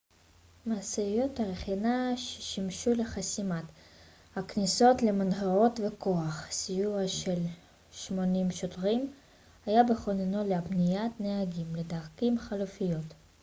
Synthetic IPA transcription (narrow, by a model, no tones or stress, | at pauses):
maːseijot̪aʁeχinaʃe̥ʃimʃuleχasimat̪ | hakniso̞tlemanɦeʁo̞tveko̞aχsijuʁaʃel | ʃmo̞nimʃotʁim | hajabeχonenoleabnijatneɦaɡimledaʁkimχalufijo̞t